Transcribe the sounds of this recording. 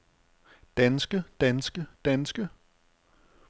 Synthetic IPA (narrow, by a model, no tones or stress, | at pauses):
d̥ænsɡ̥əd̥ænsɡ̥əd̥ænsɡ̥ə